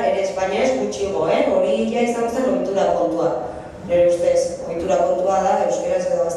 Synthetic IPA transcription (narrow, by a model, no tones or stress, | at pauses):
eɾeːspaɲiazɡut͡ʃiɣo̞e̞o̞ɾiiʎiaisaŋɡose̞no̞jt̪uɾako̞nt̪ua | neɾeust̪e̞so̞jt̪uɾako̞nt̪uaðae̞wskeɾazβoas